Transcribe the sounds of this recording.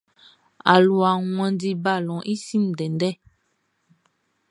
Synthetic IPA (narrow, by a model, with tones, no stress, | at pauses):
a̰˨lu˨a˨ŋwɛ̃˨ndi˦ba˦˨lɔ̃˨ʔi˦si˦˨m˨dɛ˨ndɛ˦˨